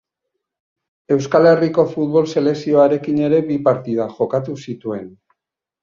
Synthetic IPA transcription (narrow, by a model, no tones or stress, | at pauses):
e̞wskale̞riko̞fut̪βo̞lse̞le̞ksio̞aɾe̞kine̞ɾe̞βipaɾt̪iðaʝo̞kat̪usit̪ue̞n